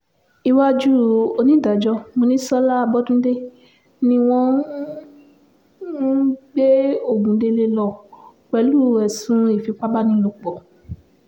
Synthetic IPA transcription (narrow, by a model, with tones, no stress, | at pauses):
i˧wa˦d͡ʒu˦o˧nĩ˦da˨d͡ʒɔ˧˦mo˧nĩ˦sɔ˦la˦a˧bɔ˦dũ˦de˦ | nĩ˧w̃ɔ̃˦ | n̩˦ɡ͡be˦o˦˨ɡũ˨˦de˧le˧lɔ˧˨k͡pɛ˧lu˦˨ɛ˨sũ˨˦i˦˨fi˨˦k͡pa˦ba˦nĩ˦lo˧k͡pɔ˨